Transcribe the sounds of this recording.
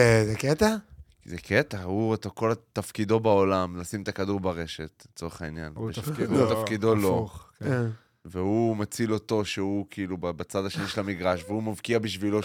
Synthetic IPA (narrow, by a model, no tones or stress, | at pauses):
ezeket̪akizeket̪auet̪ako̞lat̪afkid̪o̞bao̞lamlasimet̪akad̪uʁbaʁe̞ʃet̪let͡so̞eχainjaneut̪afkid̪oloχ | veumat͡silo̞t̪o̞ʃeukiilubabat͡sad̪aʃe̞niʃelamiɡʁaʃveumavkiabiʃvilo̞